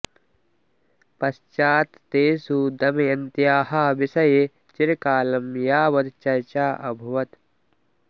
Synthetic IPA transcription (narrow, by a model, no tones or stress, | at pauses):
pɐst͡ʃaːt̪ːeːsud̪ɐmjɐnt̪jaːɦaːʋisɐjeː | t͡ʃɪɾkaːlɐmjaːʋɐt̪t͡ʃɐjt͡ʃaːʔɐbʱuʋɐt̪